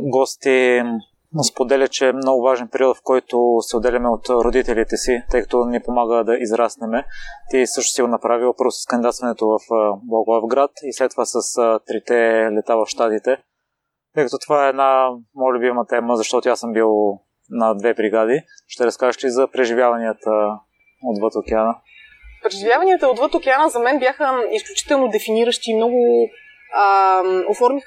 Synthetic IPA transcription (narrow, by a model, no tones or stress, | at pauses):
ɡɔst̪i | spod̪ɛlʲət͡ʃɛmnɔɡʊvaʒɛnpɛɾiɔt̪fkɔjt̪osɛod̪ɛlʲɐmɛot̪ɾod̪it̪ɛlit̪ɛsit̪ɤjkɐ̥t̪ɔnipomaɡəd̪ɐʔizɾasnɛmɛt̪isɤʃt̪o̥siɡonɐpɾavilˠpɤɾvʊsə̥skɐnd̪id̪at̪st̪vənɛt̪ovɐfblˠɔɡˠavɡɾat̪islɛt̪ːovasɐst̪ɾit̪ɛlɛt̪avɐfʃt̪at̪it̪ɛ | t̪əjkət̪ot̪ovaɛːd̪namɔjəlʲʊbimət̪ɛməzɐʃt̪ɔt̪oasɤmbilˠ | nɐd̪vɛbɾiɡad̪iʃt̪ɛɾɐskaʒəʃlizɐpɾɛʒivjavɐniət̪ə | od̪vət̪ok̟ɛanə | pɾɛʒivjavɐniət̪əod̪vət̪okʲɛanəzɐmɛnbjaxəisklʲut͡ʃi̥t̪ɛlˠnod̪ɛfiniɾəʃt̪iːmnɔɡʊ | əofɔɾmix